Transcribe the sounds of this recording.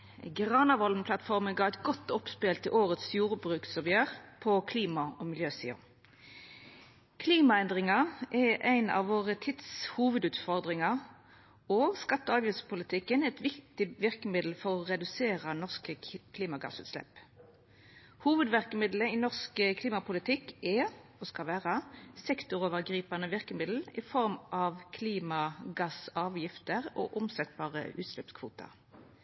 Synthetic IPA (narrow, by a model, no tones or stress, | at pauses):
ɡʁɑːnɑʋɔln̩pʰlɑt̪fɔʁmənɡɑːɛɪt̪ɡɔt̪ːɔpspelt̪əʔoːʁət̪sjuːʁbʁʉːksɔbəjøːʁpʰɔkʰliːmɑɔmɪljøːsḭːʊ̰ | kʰliːmɑɛnd̪ʁɪŋɑʔɛʔæɪnɑ̰ʋʋoːʁət̪ʰɪd̪shuːʋəd̪ʉːt̪fɔʁd̪ʁɪŋɑ | oːskɑt̪ːəɑːʋjɪspʰʊlɪt̪ʰɪkːənɛt̪ʋɪkt̪ɪʋɪʁkəmɪd̪l̩fɔʁɔʁɛd̪ʉseːʁənɔʁskəkʰliːmɑɡɑ̰sʉ̰ːt̪slɛ̰p | huːʋəd̪ʋæʁkəmɪd̪ləɪnɔʁskəkʰliːmɑpʊlɪt̪ʰɪkːɛɔskɑʋæːʁəsɛkt̪ʊʁoːʋəʁɡʁiːpɑnəʋɪʁkəmɪd̪l̩ɪfɔʁmʔɑʋkʰliːmɑɡɑsɑːʋjɪft̪əʁo̰ːʔʊmsɛt̪bɑːʁə̰ʔʉ̰ːt̪slɛpskʰʋṵːt̪ɑ̰